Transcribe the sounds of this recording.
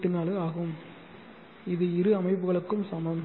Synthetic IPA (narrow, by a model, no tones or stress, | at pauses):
ʈːɯnaːlɯaːɣɯm | ɪðɯɪɾɯɐmɐɪpːɯɣɐɭɯkːɯmsɐmɐ